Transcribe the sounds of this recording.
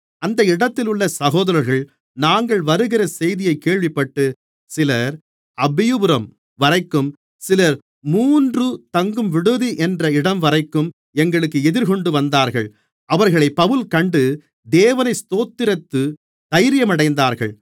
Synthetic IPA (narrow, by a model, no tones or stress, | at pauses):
ɐnd̪ɐɪɽɐt̪ːɪlʊɭːɐsɐɣoːðɐɾɐɾɣɐɭ | naːŋɡɐɭʋɐɾɯɣɪɾɐsɛjðɪjɐɪkːeːɭʋɪpːɐʈːɯ | sɪlɐɾ | ɐbɪjɯbɯɾɐm | ʋɐɾɐɪkːɯm | sɪlɐɾ | muːndrɯt̪ɐŋɡɯmʋɪɽɯðiʔɛndrɐɪɽɐmʋɐɾɐɪkːɯm | ɛŋɡɐɭɯkːɯɛðɪɾkɔɳɖɯʋɐnd̪aːɾɣɐɭ | ɐʋɐɾɣɐɭɐɪpːɐʋɯlkɐɳɖɯ | d̪eːʋɐnɐɪst̪oːt̪ːɪɾɐt̪ːɯ | d̪̥ɐjɾɪjɐmɐɽɐɪnd̪aːɾɣɐ̰ɭ